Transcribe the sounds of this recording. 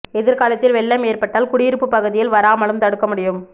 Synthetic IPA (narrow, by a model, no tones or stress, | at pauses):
ɛðɪɾkaːlɐt̪ːɪlʋɛɭːɐmeːrpɐʈːaːlkʊɽɪjɪɾɯpːɯpːɐɣɯðɪjɪlʋɐɾaːmɐɭɯmt̪ɐɽɯkːɐmʊɽɪjɯm